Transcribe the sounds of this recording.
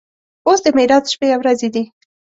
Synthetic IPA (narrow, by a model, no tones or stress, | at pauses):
osd̪əmiɾɑt̪ʃpeawɾazed̪i